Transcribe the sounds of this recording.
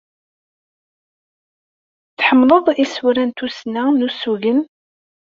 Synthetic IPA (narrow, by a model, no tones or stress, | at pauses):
θħəmːləðˤisuɾænt̪usnænusuʝən